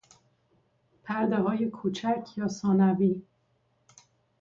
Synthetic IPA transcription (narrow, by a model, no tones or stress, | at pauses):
pʰæɾd̪eɦɒːjekʰut͡ʃʰæcʰjɒːsɒːnæviː